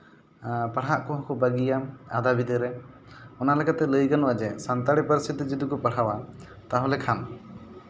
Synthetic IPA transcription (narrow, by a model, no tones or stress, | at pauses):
paɽ̤aʔkɔɦãkɔbəɡijaad̪abid̪əɾɛ | ɔnalɛkat̪ɛləjkanwad͡ʒɛsant̪aɽipəɾisʰit̪id͡ʒid̪ukɔpaɽ̤awa | t̪aɦɔ̃lɛkʰan